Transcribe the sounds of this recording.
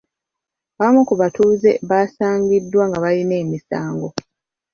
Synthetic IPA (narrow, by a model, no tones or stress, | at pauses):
βamukuβatuːze̞̰βaːsaːŋɡidːwaŋɡaβaline̞ːmisaːŋɡo̞